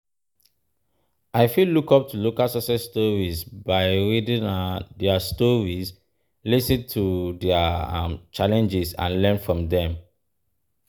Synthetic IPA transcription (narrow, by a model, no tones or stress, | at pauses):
ʔaɪfilːukɔp̚tulokalsɔsɛstɔɹizbaɪɹidĩŋdɛastɔɹiz | lisə̃ntʰudɛaã̰mt͡ʃalɛ̃nd͡ʒisã̰nlɛ̃nfɹɔ̃mdɛ̃m